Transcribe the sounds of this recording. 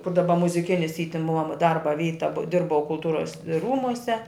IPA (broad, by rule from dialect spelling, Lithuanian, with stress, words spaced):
kʊr dɐˈbɐ mʊzʲɪˈkʲɪnʲɪs iː tʲɪn ˈmʊɐ ˈdɐrbɐ ˈʋʲiːtɐ bʊ ˈdʲɪrbɐʊ kʊlˠˈtuːrɐs ˈruːmʊsʲɛ